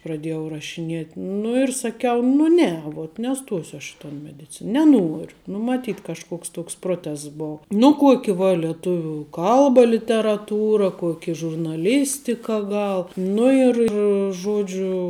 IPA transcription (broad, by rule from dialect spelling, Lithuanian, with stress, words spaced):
prɐˈdʲeːjɛʊ rɐʃʲɪˈnʲeːtʲ nʊ ɪr sɐˈkʲɛʊ nʊ ˈnʲɛ ʋuɔt nʲɛˈstoːsʲʊ ɐʃ ɪ toːn mʲɛdʲɪˈt͡sʲɪnɐ nʲɛˈnuɔrʲʊ ˈnʊ mɐˈtʲiːt kɐʃˈkoːks ˈtoːks ˈproːtʲɛsts ˈboːʊ nʊ ˈkuɔkʲɪ ʋɐ lʲiɛˈtʊʋʲuː ˈkɐlˠbɐ lʲɪtʲɛrɐˈtuːrɐ ˈkuɔkʲɪ ʒʊrnɐˈlʲɪsʲtʲɪkɐ ˈɡɐlˠ ˈnʊ ɪr ɪr ˈʒoːd͡ʒʲʊ